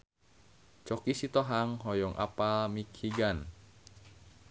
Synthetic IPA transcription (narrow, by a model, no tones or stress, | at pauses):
t͡ʃɔkisit̪ɔɦaŋɦɔjɔŋʔa̰pamikhiɡan